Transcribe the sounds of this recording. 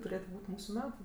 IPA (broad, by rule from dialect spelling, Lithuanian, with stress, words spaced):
tʊˈrʲeːtʊ ˈbuːtʲ ˈmuːsʊ ˈmʲæːtʊ